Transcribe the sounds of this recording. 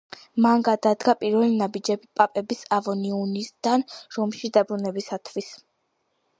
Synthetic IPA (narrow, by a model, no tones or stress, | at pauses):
manɡad̪ad̪ɡapʼiɾvɛlinabid͡ʒɛbipʼapʼɛbisavɔniunisd̪̥anɾɔmʃid̪abɾunɛbisat̪ʰwis